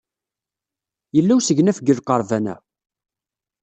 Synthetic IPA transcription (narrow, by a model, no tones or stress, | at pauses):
jəlːæwsəʝnæfəɡəlqːɑɾˤvænæ̰